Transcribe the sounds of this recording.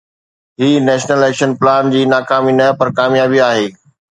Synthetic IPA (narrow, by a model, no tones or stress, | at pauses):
ɦiːnɛːʃnəlɛːkʃənplaːnd͡ʑiːnaːkaːminɐpɐɾkaːmjaːbiaːɦeː